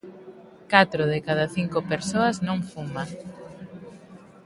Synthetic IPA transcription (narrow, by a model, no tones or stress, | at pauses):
kat̪ɾoðekaðaθiŋkopeɾsoɐznõŋfuma